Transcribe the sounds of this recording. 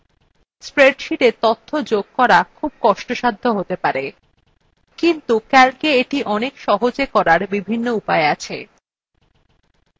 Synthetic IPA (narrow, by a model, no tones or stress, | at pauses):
spɾeɖʃiʈet̪ot̪ʰːod͡ʑoɡ̚kɔɾakʰub̚kɔʃʈoʃad̪ʱːoɦot̪epaɾe | kint̪ukɛlkeeʈiʔɔnekʃɔɦod͡ʑekɔɾaɾbibʱinːoupaeat͡ɕʰe